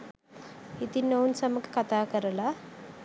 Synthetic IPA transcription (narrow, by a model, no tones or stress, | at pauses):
it̪inəunsəməkkat̪ʰakəɾla